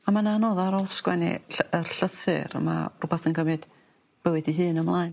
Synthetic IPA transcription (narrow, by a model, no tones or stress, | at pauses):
amananɔðaɾɔskwɛnḭɬərɬəθɨ̰ɾə̰ma̰rubaθənɡəmɨd̥ | b̥əwɨdiɦɨːnəmlˠaːɨn